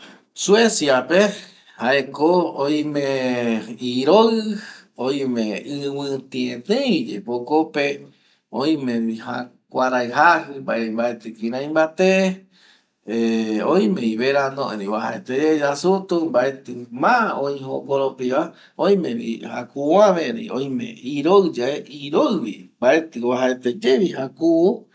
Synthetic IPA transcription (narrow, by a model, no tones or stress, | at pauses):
suesjape | haekooj̃mẽ | iɾoɨ | oj̃mẽɨwɨ̃t̪ĩẽt̪ẽjd͡ʒḛpokope | õĩmẽihã̰ | kʷaɾajɦahɨmbaʔembaet̪ɨkĩɾãj̃mbat̪e | eõj̃mẽiβeɾand̪õẽɾĩwaɦa̰et̪eed͡ʒasut̪umbaet̪ɨmãõĩɦõɡoɾopiβa | õj̃mẽɾḭha̰kuãmẽɾḭõj̃mḛ̃iɾoɨd͡ʒaeʔiɾoɨβḭmbaʔet̪ɨwaɦaet̪ed͡ʒeɾiɦakuʔu